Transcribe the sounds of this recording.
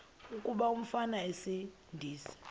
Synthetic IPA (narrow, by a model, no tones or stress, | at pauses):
ukʼuɓaum̩fanaesi | ndʱiːsi̥